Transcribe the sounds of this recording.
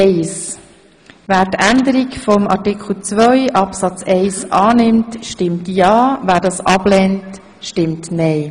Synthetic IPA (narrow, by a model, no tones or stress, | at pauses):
ɛɪs | væːɾtænd̪əɾikfɔmɑ̰ɾtɪkχl̩t͡svœʏʔɑpsɑt͡sɛɪsʔɑːnɪmtʃtɪmtjɑːvæːɾdɑːsɑb̥lɛnt | ʃtɪmtnɛɪ